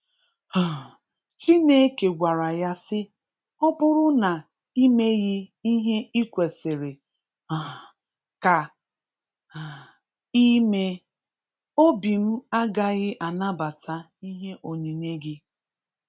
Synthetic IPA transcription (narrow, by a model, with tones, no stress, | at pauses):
t͡ʃi˦ne˦ke˨ɡʷa˨ɾa˨ja˦sɪ˦ | ɔ˦bʊ˦ɾʊ˦na˨ | i˦me˦ɣɪ˦i˦ɦe˦i˦kʷe˨sɪ˨ɾɪ˨ | ka˨ | i˦me˦ | o˦bi˨m̩˦a˦ɡa˦ɣɪ˦ʔa˨na˦ba˨tʰa˦ | i˦ɦe˦ʔo˨ni˨ne˦ɡɪ˦